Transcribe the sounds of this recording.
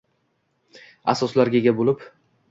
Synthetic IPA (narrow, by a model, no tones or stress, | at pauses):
a̰sɒslaɾɡʲeɡʲabolɪp